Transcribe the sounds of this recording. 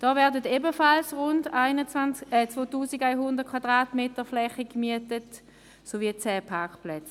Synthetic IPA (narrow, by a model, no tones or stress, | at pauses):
d̥ɔːvɛɐdəteːbəfalsʁʊndaɪnəanɛt͡svoːtuːsiɡaɪɦʊndətkʰvadʁaːtmeːtəflɛχəkmyətət | soviət͡sɛːpʰakplɛt͡s